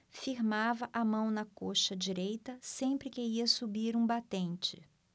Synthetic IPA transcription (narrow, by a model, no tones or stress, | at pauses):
fiɾmavɐʔɐmɐ̃w̃nɐkoʃɐd͡ʒiɾejt̪ɐsẽmpɾɪkɪiɐsubiɾũbat̪ẽnt͡ʃɪ̥